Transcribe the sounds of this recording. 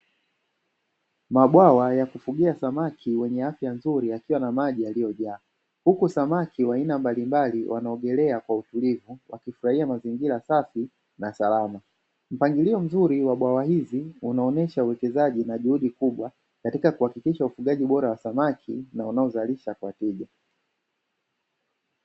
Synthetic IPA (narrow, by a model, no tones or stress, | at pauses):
maɓwawajakufuɠiasamakʰiwɛɲɛafjanzuɾiakiwanamaʄialijɔʄaː | hukusamakʰiwainambalimbaliwʔanaɔɠɛlɛakwautulivuwʔakifuɾahiamaziŋɡiɾasafi | nasalama | m̩paŋɡiliɔm̩zuɾiwaɓwawaɦiziunaɔnɛʃauwɛkɛzaʄinaʄuhuɗikuɓwa | katikakuhakikiʃaufuɠaʄiɓɔɾawasamakʰinaunaɔzaliʃakwatiʄa